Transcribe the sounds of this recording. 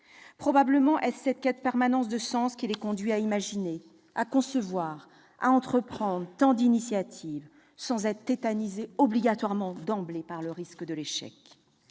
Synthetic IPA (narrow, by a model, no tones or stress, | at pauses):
pχɔbabləmɑ̃ʔɛsːɛt̪̚kʲɛt̪pɛʁmanɑ̃sd̪əsɑ̃skʲilɛkɔ̃d̪ɥiaimaʒine | akɔ̃səvwaʁ | a̰ɑ̃t̪χəpχɑ̃d̪ʁt̪ɑ̃d̪inisjat̪ʰiv | sɑ̃zɛt̪χət̪et̪anizeɔbliɡat̪waʁmɑ̃d̪ɑ̃blepaʁləʁiskəd̪əleʃɛ̰k